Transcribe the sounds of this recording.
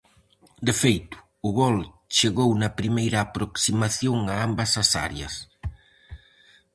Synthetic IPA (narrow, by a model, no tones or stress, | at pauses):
d̪efejt̪ʊ̥ | ʊɣɔl | t͡ʃeɣownɐpɾimejɾɐːpɾoksimaθjoŋaambɐsɐsa̰ɾjɐ̰s